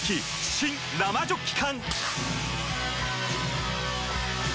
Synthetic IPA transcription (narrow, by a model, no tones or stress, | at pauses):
kʰi | ɕʰin | lamad͡ʑokʰi̥kʰan